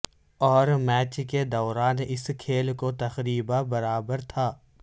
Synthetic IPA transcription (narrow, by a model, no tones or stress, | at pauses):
ɔːɾmɛːt͡ʃked̪ɔːɾaːnɪskʰeːlkot̪ɐxɾiːbabɐɾaːbəɾt̪ʰaː